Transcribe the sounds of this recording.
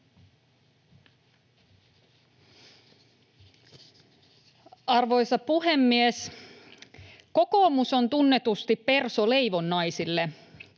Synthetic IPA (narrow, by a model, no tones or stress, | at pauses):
ɑrʋo̞jsɑpuɦe̞mːies | ko̞ko̞ːmuso̞nt̪unːe̞t̪ust̪ippe̞rsole̞jʋo̞nːɑjsilːe